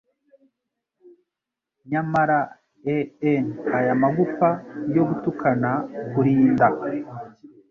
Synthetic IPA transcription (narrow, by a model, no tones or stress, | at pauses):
ɲamaɾa | eenajamaɡupajo̞ɡutukʰanakuɾiːnda